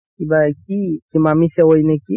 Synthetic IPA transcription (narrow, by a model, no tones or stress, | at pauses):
ibakikimamisɛwojneki